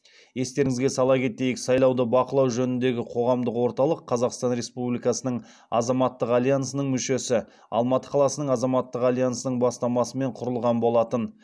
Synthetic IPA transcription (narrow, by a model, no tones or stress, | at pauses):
je̞st̪e̞ɾɪŋɪzɡʲe̞sɑlˠɑkʲʰe̞t̪e̞jɪksɑjlˠɑwd̪əbɑqəlˠɑwʒɵnɪnd̪e̞ɡʲɪqʰo̞ʁɑmd̪əqwo̞ɾt̪ɑlˠəqʰːɑzɑqst̪ɑnɾe̞spublijkɑsənəɴ | ɑ̰zɑmɑt̪ːəqɑlʲijansənəɴmʏʃe̞sɪ | ɑ̰lˠmɑt̪ə̥qʰɑlˠɑsənəɴɑzɑmɑt̪ːəqɑlʲijansənəɴbɑst̪ɑmɑsəme̞ɴqʰʊɾəlˠʁɑnbo̞lˠɑt̪ən